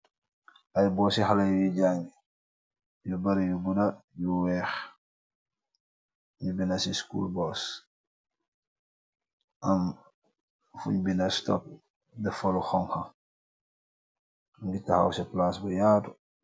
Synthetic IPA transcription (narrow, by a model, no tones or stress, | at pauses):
ʔɐjbɔːsixɐlɐjujiɟaŋɡ | jubɐɾɐjubudɐjuwɛːx | ɲubinɐsiskṵːlbɔːs | ʔɐm | fṵɲbinɐstɔ̰p̚ | dɛfɐluxɔŋxɐ | ŋɡitɐxɐ̰wsɛplasbujaːdu